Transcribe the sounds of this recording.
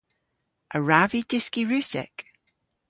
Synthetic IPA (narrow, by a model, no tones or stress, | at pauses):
ʔəɹavidɪskiɹʉsɛ̰k